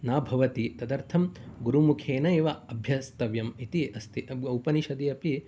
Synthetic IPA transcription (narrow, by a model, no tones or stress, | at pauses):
naːbʱɐʋɐt̪it̪ɐd̪ɐɾt̪ʰɐmɡuɾumukʰeːnɐeːʋɐɐbʱjɐst̪ɐʋjɐmit̪iʔɐst̪ʰiʔɐɐwpɐniʃɐd̪iɐpi